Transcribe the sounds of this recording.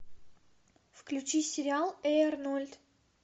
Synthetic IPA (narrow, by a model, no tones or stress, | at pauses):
fklʲʉt͡ɕisʲɪɾʲɪalˠeɛrnulʲt̪